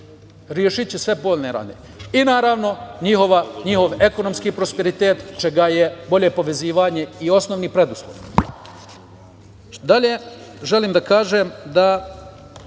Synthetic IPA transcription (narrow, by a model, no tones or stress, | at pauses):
ɾjeʃit͡ʃesʋe̞po̞ːlʲneɾa̰nḛ | inaːɾaʋno̞ɲixo̞ʋaɲiɦo̞ʋe̞ko̞no̞mskiːpɾo̞spe̞ɾit̪eːt̪t͡ʃe̞ɡajebo̞ʎepo̞ʋe̞ziːʋaɲe̞io̞snoʋnipɾe̞d̪uslˠo̰ʋ | d̪aʎe̞ʒe̞liːmd̪akaːʒemd̪a